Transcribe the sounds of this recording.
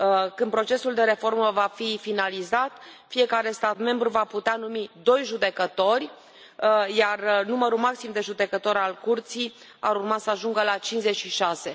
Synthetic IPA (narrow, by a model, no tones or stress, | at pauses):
kɨnpɾo̞t͡ʃe̞suld̪e̞ɾe̞fo̞rməvafifinalizat̪fije̞kaɾe̞st̪at̪me̞mbɾuvaput̪eanumid̪o̞jʒud̪e̞kət̪o̞rʲ | jarnuməɾumaksimd̪e̞ʒud̪e̞kət̪o̞ɾalkurt̪sij | aɾurmasəaʒuŋɡəlat͡ʃinze̞t͡ʃʃiʃase̞